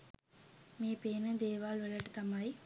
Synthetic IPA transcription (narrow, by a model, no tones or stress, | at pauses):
meːpeːnɨd̪eːʋaːlʋəlɐʈːt̪ɐmɐj